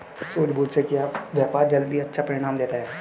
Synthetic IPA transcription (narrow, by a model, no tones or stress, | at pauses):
suːd͡ʒbʱuːt̪sekiaːpʋjaːpaːɾd͡ʒɐld̪iɐtːʃʰapɐɾɪɽ̃aːmd̪eːt̪aɦɛː